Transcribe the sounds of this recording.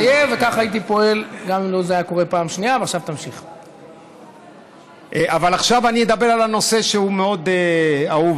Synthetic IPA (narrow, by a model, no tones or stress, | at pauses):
jevekaχajit̪̬ipo̞e̞lɡamimlozeajako̞ʁe̞paːmʃniaveaχʃavt̪amʃiχ | ʔeʔavalaχʃavanimed̪abe̞ʁalano̞se̞ʃeumeo̞d̪eauv